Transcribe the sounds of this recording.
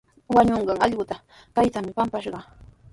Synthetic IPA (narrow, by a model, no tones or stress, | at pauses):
waɲoɴɢɑŋɑʎɢʊt̪a | kajt̪amɪpampaʃɢɑ